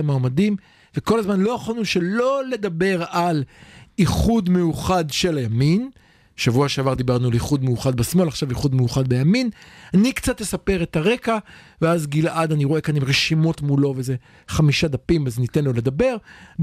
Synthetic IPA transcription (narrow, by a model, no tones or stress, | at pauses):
amaːmadim | veko̞lazmanlo̞jaχalnuʃe̞lo̞le̞d̪abe̞ʁaliχudmejuχadʃe̞lajamin | ʃavuaʃeavaʁd̪ibaʁnualiχud̪mejuχad̪basmo̞laχʃaviχud̪mejuχad̚bejaminanikt͡sat̪jesape̞ʁetaʁe̞ka | veazɡilʔad̪aniʁo̞e̞kanimʁeʃimo̞tmulo̞veze̞ | χamiʃad̪apimazenitenlo̞le̞d̪abe̞ʁ